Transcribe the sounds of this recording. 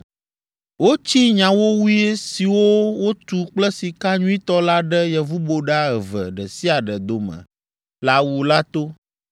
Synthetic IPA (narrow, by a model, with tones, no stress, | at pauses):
wo˦t͡ɕi˦ɲã˨wo˦wu˦e˦si˨wo˦wo˦t̪u˨k͡plɛ˦si˨ka˦ɲũ˦i˦t̪ɔ˦la˦ɖɛ˦jɛ˨vu˦bo˨ɖa˦ɛ˨və̰˨ɖɛ˨si˦a˨ɖɛ˨d̪o˨mə̰̃˨ | la˨wu˨la˦t̪o˦